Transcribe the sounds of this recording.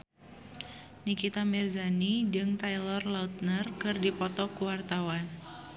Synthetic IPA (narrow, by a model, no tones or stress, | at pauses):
nikit̪amirzanid͡ʒɨŋt̪ailɔrlaut̪̚nərkɨrdipɔt̪ɔkuwart̪awan